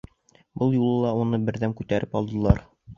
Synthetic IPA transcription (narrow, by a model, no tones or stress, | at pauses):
bɤlˠjulˠɤlˠɑunɤbɘ̆ɾðæmkʉt̪æɾʔɘpɒlˠd̪ɤ̆lˠɑɾ